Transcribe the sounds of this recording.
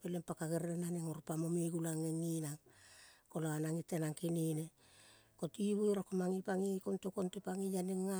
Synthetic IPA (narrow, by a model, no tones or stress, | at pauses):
pelempakaɡeɾeenaneŋoɾpamomeɡulaŋeŋinaŋkolaanaŋitenaŋkinine | kotiβujɾakomaŋipaŋikontokontepaŋijaneŋːa